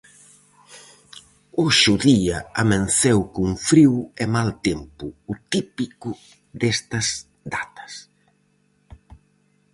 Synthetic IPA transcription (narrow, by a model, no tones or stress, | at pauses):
oʃʊðiɐamẽnθɛwkuŋfɾiwɛmalt̪empʊːt̪ipikʊ | d̪ɛst̪ɐz | d̪at̪ɐ̥s